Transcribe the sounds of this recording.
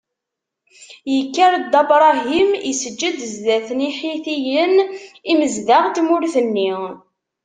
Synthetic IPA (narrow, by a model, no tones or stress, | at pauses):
jəkːæɾd̪ɑbɾˤɑɦimisəd͡ʒːəd̪zðæθəniħiθijəniməzðaʁt̪mʊɾθənːi